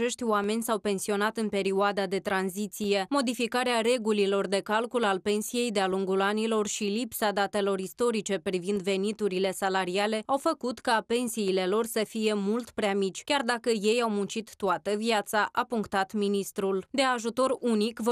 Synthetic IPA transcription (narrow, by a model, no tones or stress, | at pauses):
e̞ʃt̪ʲoame̞nʲsawpe̞nsio̞nat̪ɨnpe̞ɾioad̪ad̪e̞t̪ɾanzit̪sije̞mo̞d̪ifikaɾeaɾe̞ɡulilo̞rd̪e̞kalkulalpe̞nsije̞jd̪ealuŋɡulanilo̞rʃilipsad̪at̪e̞lo̞ɾist̪o̞ɾit͡ʃe̞pɾivind̪ve̞nit̪uɾile̞salaɾiale̞awfəkut̪kape̞nsiːle̞lo̞rsəfije̞mult̪pɾeamit͡ʃʲkʲard̪akəje̞jawmunt͡ʃit̪ːuat̪əvijat̪saʔapuŋkt̪at̪minist̪ɾuld̪e̞aʒut̪o̞ɾunikv